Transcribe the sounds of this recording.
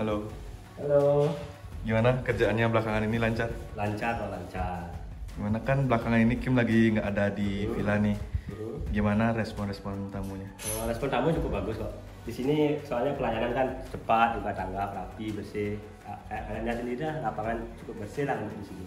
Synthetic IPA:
halohalo | ɡimanakərd͡ʒaanjabəlakaŋaninilaɲt͡ʃarlaɲt͡ʃarkalaɲt͡ʃar | ɡimanakanbəlakaŋaninikɪmlaɡiŋɡaʔːdadifilanɪt̪uɡimanarɛspɔnrɛspɔnt̪amuɲaɔɾɛspɔnt̪amut͡ʃukʊp̚baɡʊslɔʔ | disinisoalɲapəlajaŋankant͡ʃəpat̪̚d͡ʒuɡat̪aŋɡaprapibərsɪh | aapaŋanasinidaapaŋant͡ʃu̥kʊp̚bərsɪlahənt̪udisini

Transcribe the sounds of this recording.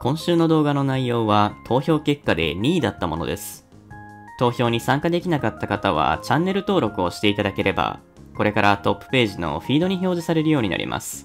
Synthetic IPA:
kõ̞ɰ̃ɕɨːno̞d̪o̞ːɡano̞naijo̞ːβat̪ʰo̞ːço̞ːke̞kːad̪e̞̰nʲiːd̪at̪ːamo̞no̞̰d̪e̞sɨ̥ | t̪o̞ːço̞ːɲ̟isãŋkad̪e̞kʲinakat̪ːakat̪aβ̞a̰t͡ɕãnːe̞ɾɯ̟t̪o̞ːɾo̞kɯo̞ɕi̥t̪e̞it̪ad̪ake̞ɾe̞ba̰ | ko̞ɾe̞kaɾʔat̪o̞pːɯ̟̥pe̞ːʑino̞̰ɸʲiːd̪o̞ɲ̟iço̞ːʑisaɾe̞ɾɯjoːɲ̟ina̰ɾʲʔḭmʔa̰sɨ̥

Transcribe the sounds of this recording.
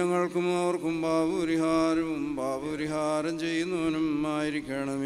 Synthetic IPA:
ɐŋːɐɭkɨmoːrkumbʱaːʋɐpɐɾiɦaːɾɐʋumbʱaːʋɐpɐɾiɦaːɾɐmt͡ɕejːunːuʋɐnumaːjiɾikʲːeːɳɐm

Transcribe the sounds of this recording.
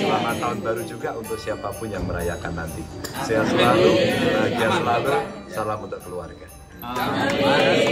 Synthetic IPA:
səlamat̪aʊnbaɾud͡ʒuɡaʔunt̪ʊk̚siapapʊnjaŋməɾajakanːant̪isajasəlaluəɡianlabərsalamunt̪ʊkəluarɡa

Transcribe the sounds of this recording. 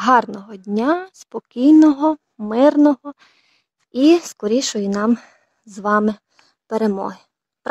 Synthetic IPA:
ɦɑrnɔɦɔdʲnʲaspɔkʲijnɔɦɔ | mɪrnɔɦɔ | iskɔɾʲiʃʊjinɑm | zʋɑmɪ | peɾemɔ̰ɦɪ | p

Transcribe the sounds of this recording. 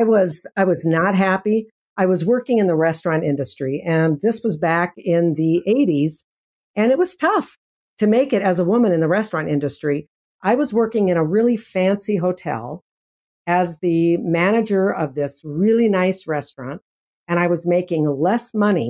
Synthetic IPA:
aɪwʌzaɪwʌznət̚ɦæpi | ʔaɪwʌzwɜ˞kɪ̃ŋɨ̃nðɨɹɛstɹ̥ɑ̃ntɪ̃ndɨstɹ̥iʔɨ̃nðɪswʌzbækɪ̃nðiʔeɪɾiz̥ | ɨ̃ñɨt̚wʌz̥tʰʌf | tʰɨmeɪkɨɾɨzəwʊmə̃nɨ̃nðɨɹɛstɹ̥ɑ̃ntɪ̃ndɨstɹ̥i | ʔaɪwʌzwɜ˞kɪ̃ŋɨ̃ɾ̃əɹɪlˠifæ̃nsiɦoʊtʰɛ̰lˠ | ɨzðɨmænɨd͡ʒə˞ʌvðɪsɹɪlˠinaɪsɹɛstɹ̥ɑ̰̃nt̚ | ɨ̃ɾ̃aɪwʌzmeɪkɪ̃ŋlɛsmʌnḭ

